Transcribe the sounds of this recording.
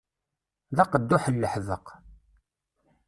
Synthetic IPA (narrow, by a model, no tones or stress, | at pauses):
ðɑqːəd̪ːuħəlːəħðəq